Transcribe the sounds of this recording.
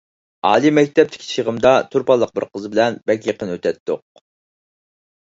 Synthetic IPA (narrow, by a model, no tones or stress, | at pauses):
ɑ̰ːlˠimɛk̚ʲt̪ʰɛp̚t̪ʰɪ̥kʲʰi̥ʃʰiʁəmd̪ɑt̪ʰuɾpɑlˠːəq̚bɪɾqʰəzɨbɪlɛnbɛkʲjeqənøt̪ʰɛt̪ːo̰q̚